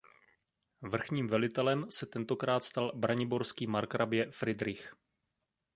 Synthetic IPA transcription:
vr̩xɲiːmvɛlɪt̪ɛlɛmsɛt̪ɛnt̪o̞kɾaːt̪st̪albɾaɲɪbo̞ɾskiːmaɾkɾʔabjɛfɾɪd̪ɾɪx

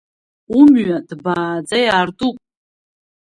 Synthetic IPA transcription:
umɥadbaːd͡zajaːrdupʼ

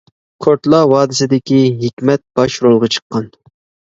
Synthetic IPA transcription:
kʰoɾt̪lˠɑwɑːd̪ɪsɪd̪ɪkʲiɦekʲmɛt̪̚b̥ɑʃɾolˠʁɑt͡ʃʰə̥qʰːɑn

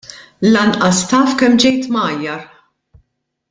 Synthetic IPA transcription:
lɐnʔɐst̪ɐːfkɛmd͡ʒɛjt̪mɐːjːɐɾ

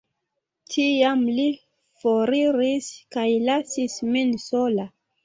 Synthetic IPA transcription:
tiamli | foɾiɾiskajlasisminsola

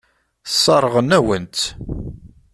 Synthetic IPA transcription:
sˤːɑɾˤəʁənæwənt̪

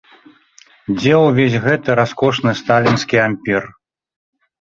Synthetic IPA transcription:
d͡zʲɛwvʲesʲɣɛt̪ɨɾaskɔʂnɨst̪alʲinskʲiamʲpʲir

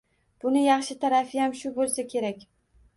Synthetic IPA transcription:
b̥ʊnɪjɑχʃɪt̪ʰaɾafɪjamʃʊbolˠsakʲʰe̞ɾak̚ʲ

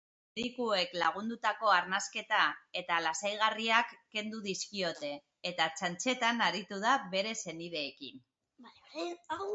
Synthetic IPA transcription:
ɾikue̞klaɣ̞und̪ut̪ako̞aɾnaske̞t̪ae̞t̪alasajɣ̞ariakːe̞nd̪uðiskio̞t̪e̞ː | t̪at͡ʃant͡ʃe̞t̪anaɾit̪uð̞aβe̞ɾe̞se̞nið̞e̞ːkḭn

